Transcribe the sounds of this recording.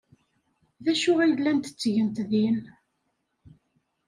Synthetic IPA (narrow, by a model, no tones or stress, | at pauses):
ðæʃʊʁijðlːænt̪ə̥t͡sːʝənt̪ðin